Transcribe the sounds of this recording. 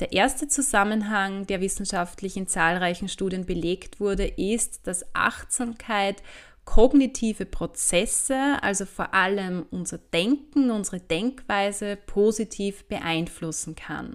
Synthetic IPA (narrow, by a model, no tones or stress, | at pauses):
d̥eːɐʔeːɐstət͡suzamənɦaŋd̥eːɐvɪsn̩ʃaftlɪçɪnt͡saːlʁaɪçn̩ʃtuːdiənbəleːktv̥ʊɐdəʔɪstd̥asʔa̰xtz̥amkʰaɪt | kʰɔɡnitʰiːvəpʁ̥ot͡sɛsəʔa̰lzofoːɐʔaləmʔʊnzɐd̥ɛŋkŋ̩ʊnzəʁəd̥ɛŋkv̥aɪzəpʰoːzitʰiːfb̥əʔaɪnflʊsn̩kʰa̰n